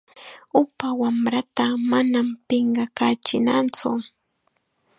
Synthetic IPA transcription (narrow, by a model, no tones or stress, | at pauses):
ʊpawamɾat̪amanampɪɴɢɑkaːt͡ʃɪnant͡sʊ